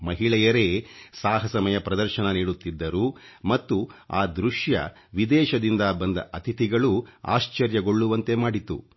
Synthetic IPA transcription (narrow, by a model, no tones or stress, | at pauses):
mɐɦiɭɛjɐɾe̞ːsaːɦɐsɐmɐjɐpɾɐd̪ɐɾʃɐnɐniːɽut̪ːid̪ːɐɾumɐt̪ːuaːd̪ɾuʃjɐ̰ | ʋid̪ɛːʃɐd̪ind̪ɐbɐnd̪ɐ̰ʔɐt̪ʰit̪iɡɐɭua̰ːʃt͡ʃɐɾjɐɡo̞ɭːuʋɐnt̪e̞maːɽit̪ṵ